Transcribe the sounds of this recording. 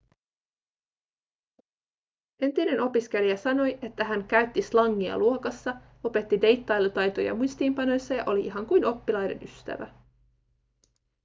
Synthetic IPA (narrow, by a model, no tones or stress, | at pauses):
e̞nt̪ine̞no̞pisk̟e̞liæsɑno̞jʔe̞t̪ːæɦæŋkæɥt̪ːislɑŋːiɑ̰luokɑsːɑ | o̞pe̞t̪ːide̞jt̪ːɑjlt̪ɑjt̪o̞jɑ̰mujst̪iːmpɑno̞jsːɑjɑ̰ʔo̞liʔiɦɑŋkujno̞pːilɑjde̞̰nyst̪æ̰ʋæ̰